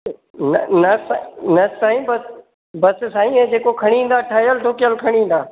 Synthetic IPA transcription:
nnɐsanɐsaːĩːbəs | bɐssaːĩːẽd͡ʑeːkokʰɐɽ̃iɦĩn̆d̪aːʈʰaːjəlʈoːkɪjəlkʰəɽ̃iɦĩːn̆d̪aː

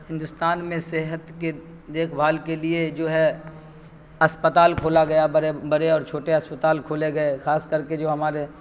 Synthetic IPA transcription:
ɦɪ̃nd̪ʊst̪aːnmẽsɛɦət̪ke | d̪eːkʰbʱaːlkelied͡ʒoːɦɛ | ɐspət̪aːlkʰoːlaɡɐjabɐɾebɐɾeɔːɾt͡ʃʰoːʈeɐspət̪aːlkʰoːleɡɐexaːskɐɾked͡ʒoːɦɐmaːɾe

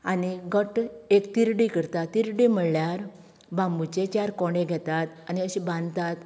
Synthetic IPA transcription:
aniɡʱəʈekt̪iɾɖikəɾt̪at̪ːiɾɖim̤əɭljaɾ | bãmbut͡ɕet͡ɕaɾkɔɽẽɡʱɛt̪at̪aniəɕibãnd̪t̪at̪

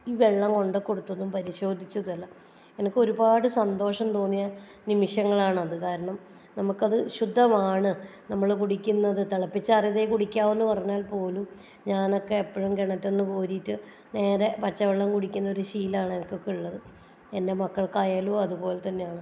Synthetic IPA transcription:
iːʋeɭːɐmko̞ɳɖɨkːo̞ɽut̪ːɐðumpɐɾiɕo̞ːd̪ʱit͡ɕːuðɐlːɐ | enɐkːɨo̞ɾubaːɽɨsɐnd̪o̞ːʂɐmt̪oːnːijɐ | nimiʂjɐŋːɐɭaːɳɨɐðɨkaːɾɐɳɐm | nɐmukːɐðɨɕud̪ʱːɐmaːɳɨnɐmːɐɭkuɽikʲːunːɐðɨt̪ɐɭɐpːit͡ɕːaːrjɐðejkuɽikʲːaːme̞nːupɐrɐɲːaːlpo̞ːlum | ɲaːno̞kːe̞ːpːɐɻumkeɳɐtːe̞nːɨko̞ːɾiːtːɨ | ne̞ːɾepɐt͡ɕːɐʋeɭːɐŋkuɽikʲːunːɐoɾuɕiːlaːɳɨenɐkːo̞kːeuɭːɐðɨ | ende̞mɐkːɐɭkaːjaːloɐðupo̞ːlet̪ɐnːejaːɳɨ

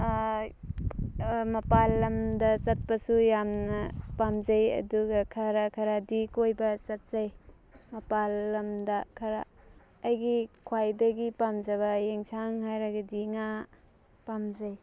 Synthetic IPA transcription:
mɐpalːɐmdɐt͡ʃɐt̚pɐsujamnɐpamzɐjɐ̰duɡɐkʰɐɾakʰɐɾadikojbɐsɐt̚z̥aj | mɐpalːɐmdɐkʰɐɾa̰ː | jɡikʰwajdɐɡipamzɐβɐjeŋsʰaŋhajɾaɡɐdiŋa | pamzaj

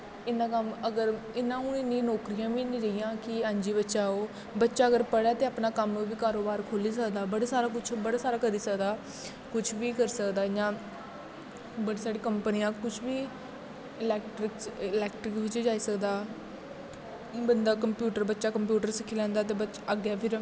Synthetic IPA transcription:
ɪnãːkəməɡəɾ | ɪnãːʊ̃ːɪnːĩːnɔːkɾijãːʋiːnːĩːɾəijãːkɪãːɲd͡ʒiːbətːʃaːoː | bətːʃaːəɡəɾpəɽaːt̪eːaːpnaːkəmːʋiːkaːɾoːbaːɾkʰoːliːs̬əkd̪aːbəɽeːsaːɾaːkʊt͡ʃʰbəɽaːsaːɾaːkəɾiːsəkd̪aː | kʊt͡ʃʰʋiːkəɾsəkd̪aːjãː | bəɽiːsaːɽeːkəmpənijãːkʊt͡ʃʰʋiː | ɪlɛːkʈɾɪkslɛːk̚ʈɾɪkʋɪt͡ʃd͡ʒaːiːsəkd̪aː | bənd̪aːkəmpjuːʈəɾbətːʃaːkəmpjuːʈəɾsɪkʰːiːlɛ̃ːnd̪aːt̪̬eːbət͡ʃəɡjaːpʰɪɾ

